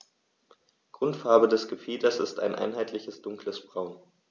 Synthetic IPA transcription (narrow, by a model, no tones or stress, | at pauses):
ɡ̥ʁʊntfaɐbədɛsɡ̥əfiːtɐsɪsta̰ɪnʔa̰ɪnɦaɪtʰlɪçəsd̥ʊŋkləsb̥ʁaʊn